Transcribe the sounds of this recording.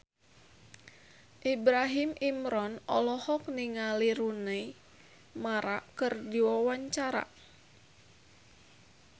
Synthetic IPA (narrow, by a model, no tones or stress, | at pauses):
ʔibɾaɦimʔimɾɔnʔɔ̰lɔhɔk̚niŋaliɾunei | maɾakɨrdiwawaɲt͡ʃaɾa̰